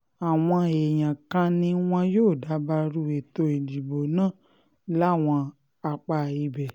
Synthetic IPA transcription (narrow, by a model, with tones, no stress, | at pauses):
a˨w̃ɔ̃˧e˨j̃ã˨kã˧nĩ˧w̃ɔ̃˧joː˦˨da˨˦ba˧ɾu˧˦e˨to˧e˨di˨bo˨nã˦˨ | la˦˨w̃ɔ̃˧ | a˧k͡pa˧˨i˧bɛ˨